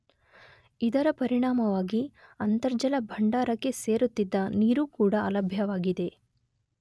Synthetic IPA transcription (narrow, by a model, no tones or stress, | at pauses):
id̪ɐɾɐpɐɾiɽaːmɐʋaːɡiɐnt̪ɐɾd͡ʒɐlɐbʱɐɳɖaːɾɐkːe̞se̞ːɾut̪ːid̪ːɐniːɾuːkuːɽɐɐlɐbʱjɐʋaːɡid̪e̞